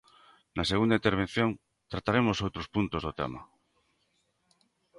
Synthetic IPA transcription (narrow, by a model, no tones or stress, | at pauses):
naseɣund̪aint̪eɾβ̞en̟θjõŋ | t̪ɾat̪aɾemosowt̪ɾospunt̪ozðot̪ḛma̰